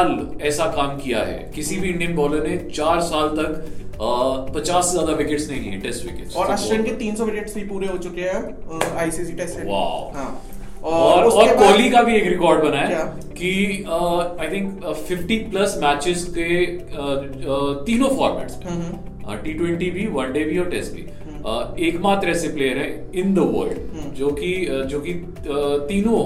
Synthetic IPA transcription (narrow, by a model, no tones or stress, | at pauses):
aːlɛːsakaːmkija̰ɦɛ̰ːkɪsibʱiɪ̃ɳɖiə̃nbɔːləɾnet͡ʃaːɾsaːlt̪ɐkː | pɐt͡ʃaːszaːd̪aʋɪkɪʈsnɐɦĩlḭɛ̰ʈɛsʈʋɪ̰kḛʈsɔːɾɐʃənket̪iːnsɔʋɪkeʈsbʱipuːɾeɦot͡ʃʊkeɦɛ̃ | aːjsiːsiʈɛsɛ̃ʋa̰ːʊɦãː | ɔːɔːɾɔːɾkɔːlikabʱieːkɾɪkɔːɾɖbɐnaea | ki | aɪt̪ʰɪ̃ŋkfɪfʈiplɐsmæːt͡ʃɪzke | t̪iːnõfɔːɾmɛ̰ːʈsbẽ | ʈiːʈwɛ̃ɳʈibʱiʋɐ̃nɖeːbʱiɔːɾʈɛsʈ̚bʱḭ | eːkmaːt̪ɾɛːsepleːjəɾɦɛ̃ɪ̃nd̪əʋə̰ːlɖd͡ʒoːkid͡ʒoːki | t̪iːnõ